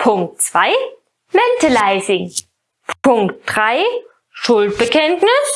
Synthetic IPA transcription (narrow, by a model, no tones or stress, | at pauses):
pʰʊŋk̚tt͡sv̥aɪ | mɛntalaɪzɪŋ | pʰʊŋkt̚d̥ʁaɪ | ʃʊlt̚b̥əkʰɛntnɪs